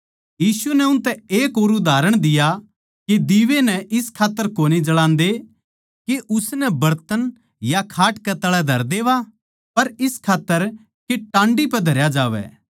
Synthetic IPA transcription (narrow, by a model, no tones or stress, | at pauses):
jiːsunɛʊ̃nt̪ɛeːkoːɾud̪aːɾəɽ̃d̪ɪja | ked̪iːʋenɛʔɪskʰaːt̪ːəɾkoːnid͡ʒɐɽãːnd̪e | keʔʊsnɛbɐɾt̪ən | jakʰaːʈkɛt̪ɐɭɛd̪ʱɐɾd̪eːʋa | pɐɾɪskʰaːt̪ːəɾ | keʈãːɳɖipɐd̪ʱɐɾjad͡ʒaːʋɛ̰ː